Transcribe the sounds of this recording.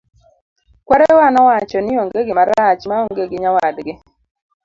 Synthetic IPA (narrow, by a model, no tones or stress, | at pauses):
kwaɾɛwanɔwat͡ʃɔnɪoŋɡeɡɪmaɾat͡ʃmaoŋɡeɡɪɲawadɡɪ